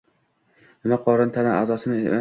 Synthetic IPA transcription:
ɪmaqʰɒɾɪnt̪ʰanaazɒsɪnɪ

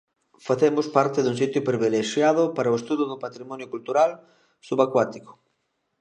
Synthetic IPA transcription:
faθemʊspaɾt̪ɪðuŋsit̪jʊpɾiβileʃjað̞ʊpaɾɐoest̪uðʊðʊpat̪ɾimɔnjokult̪uɾal | suβakwat̪ikʊ̥

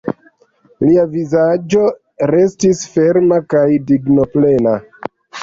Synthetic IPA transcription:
liavizad͡ʒo̞ | ɾe̞stisfe̞ɾmakajdiɡno̞ple̞na

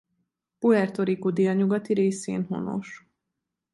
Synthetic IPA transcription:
puɛrt̪oɾikud̪iɒɲuɡɒt̪iɾeːsḛːnɦo̰no̞̰ʃ

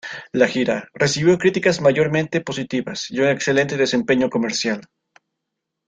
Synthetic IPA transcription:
laxiɾare̞siβjo̞kɾit̪ikazmaʝo̞ɾmẽ̞nt̪e̞po̞sit̪iβasjiune̞kse̞le̞nt̪e̞ðe̞se̞mpe̞ɲo̞ko̞me̞ɾsjal

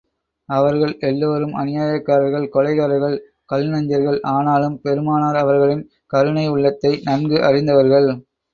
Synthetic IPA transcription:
ɐʋɐɾɣɐɭɛlːoːɾɯmʔɐ̰nɪjaːjɐkːaːɾɐɾɣɐɭkɔlɐɪɣaːɾɐɾɣɐɭ | kɐlnɐɲd͡ʒɐɾɣɐɭʔaːnaːlɯmpɛɾɯmaːnaːɾɐʋɐɾɣɐɭɪn | kɐɾɯnɐɪʊɭːɐt̪ːɐɪnɐnɡɯʔɐrɪnd̪ɐʋɐɾɣɐɭ

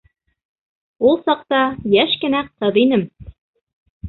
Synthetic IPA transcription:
ulˠsɑq̚t̪ɑjæʃkɘ̆næq̚t̪ɤðinɘm

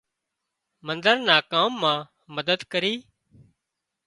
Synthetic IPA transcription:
mənd̪əɾnaːkaːmːãː | məd̪əd̪kəɾiː

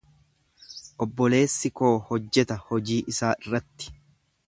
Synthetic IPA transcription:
ʔɔbːɔle̞ːsːɪko̞ːhɔd͡ʒːɛt̪ɐhɔd͡ʒiːʔɪsaːʔɪrːɐt̪ːɪ̥

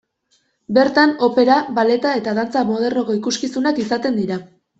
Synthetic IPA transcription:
be̞ɾt̪ano̞pe̞ɾaβale̞t̪ae̞t̪að̞ant͡samo̞ð̞e̞ɾno̞ko̞ikuskisunakisat̪e̞nd̪iɾa

